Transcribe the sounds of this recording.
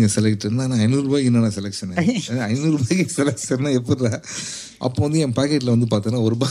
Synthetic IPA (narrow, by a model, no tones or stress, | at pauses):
ŋɡɐsɛlɐkʈːɪɾɯnd̪aːnaːɐɪnuɾɯbaːɡɪnːaːnaːsɛlɛkʂɐnɐɪnuɾubaːɡisɛlɛk̚ʂɐnːaːɛpːɐɾɾãː | ʔɐ̰pːoːʋɐnd̪ɯɛːpaːkeːʈ̬ːlɐʋɐnd̪ɯpaːɾt̪ɐ̃ːnaːɔɾɯbaː